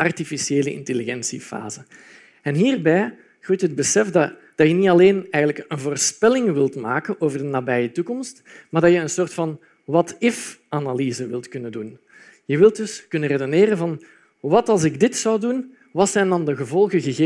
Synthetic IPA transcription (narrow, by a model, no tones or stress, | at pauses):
ɑrtifisieːlə̰ɪ̰nteliɣɛnsifa̰ːzə | ɛnɦiːrbɛj | ɣutɦəd̚bəsɛfd | d̥ɑjənitɑleːnɛːɣənləkənvoːrspɛlɪŋʋɪlˠtma̰ːkənoːvərdənaːbɛjətukɔmstmaːrdɑjəənsoːrtfɑn | ʋɑtɪfʔanalizəʋɪlˠtkɵnədun | jəʋɪlˠt̚dɵskɵnəredoneːɾənvɑn | ʋɑtɑlˠzɪɡdɪtsɑwdun | ʋɑtsɛjndɑndəɣəvɔlˠɣəɣəɣeː